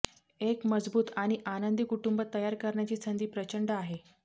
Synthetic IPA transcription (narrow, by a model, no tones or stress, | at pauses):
ekməd͡zbuːt̪aɽ̃iʔanənd̪ikuʈumbət̪ːəjaɾkəɾɳjat͡ɕiːsənd̪iːpɾət͡ɕəɳɖəaɦe